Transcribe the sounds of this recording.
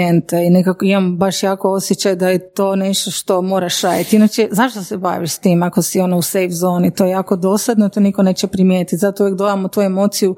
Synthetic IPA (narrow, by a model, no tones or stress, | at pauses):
ent̪einekakoimambaʃjaːko̞osjet͡ɕajd̪ajet̪oːne̞ʃt̪oʃt̪o̞moːɾaʃaːjat̪inat͡ɕezaʃt̪oseba̰ːʋiʃst̪iːmako̞sio̞nousejfzo̞ːnit̪ojejaːkod̪oslad̪not̪onikone̞ːt͡ɕepɾimjeːt̪it̪ʲzat̪ouʋjek̚d̪od̪amot̪uːemo̞ːt̪siju